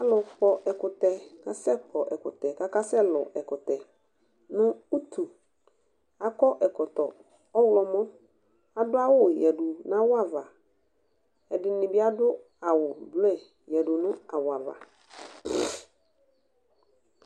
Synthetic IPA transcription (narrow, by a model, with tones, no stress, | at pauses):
a˦lʊ˨fɔ˨ʔɛ˨kʊ˨tɛ˨ka˦sɛ˦kʰɔ˨ʔɛ˨kʊ̰˨tɛ˨ka˦ka˦sɛ˦lɔ̰˨ʔɛ˨kʊ˨tɛ˨ | nʊ̃˦u˦tʰu˨ | a˨kɔ˦ʔɛ˨kɔ˨tɔ˨ | ɔ˦wlɔ˨mɔ̃˦ | a˨dʊ˦a˦wʊ˦jɛ˨dʊ˨n˦ã˦wʊ˦a˦va˨ | ɛ˨dɪ˨nɪ̃˨bɪ˦a˦dʊ˦ | a˨wʊ˨blɛ˨ | jɛ˨dʊ˨nʊ̃˦a˨wʊ˨a˨va̰˨